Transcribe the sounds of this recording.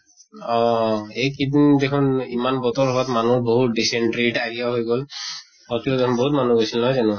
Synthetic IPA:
ɔejkid̪indekʰunimanbɔtɔɹɔbatmanuɹboɦut̚ɖisɛɳʈɹeʈaɦijaɦojɡɔl | ɔtilɔdekʰunboɦut̬manuɡojsilnɔɦɔjzanʊ

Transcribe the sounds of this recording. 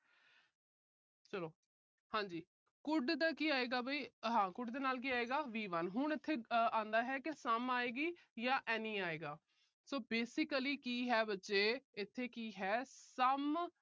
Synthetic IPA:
t͡ʃəloː | hãːɲd͡ʒiː | kʊɖd̪aːkiːaːeːɡaːbaiːɦãːkʊɖd̪eːnaːlk̬iːaːeːɡaːʋiːʋənɦʊɳ̃ɪt̪ʰːeːãːnd̪aːɦɛːkɪsəmaːeːɡiː | jaːʔɛːnĩːaːeːɡaː | soːbeːsɪkliːkiːɦɛːbətːʃeːɪt̪ʰːeːkiːɦɛːsəm

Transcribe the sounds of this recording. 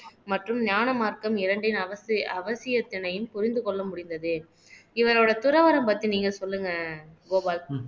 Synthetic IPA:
mɐʈrɯmnjaːnɐmaːɾkɐmɪɾɐɳɖɪnɐʋɐsɐʋɐsɪjɐt̪ːɪnɐjɯmpʊɾɪnd̪ɯkɔɭːɐmʊɽɪnd̪ɐðɯ | ɪʋɐɾoːɽɐt̪ʊɾɐʋɐɾɐmpɐt̪ːiniːŋɡɐsɔlːɯŋɡɐɡoːbaːl

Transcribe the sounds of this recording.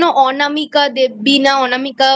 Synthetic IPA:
nõʔɔːnamikad̪eːbiːnãɔːnamɪkaː

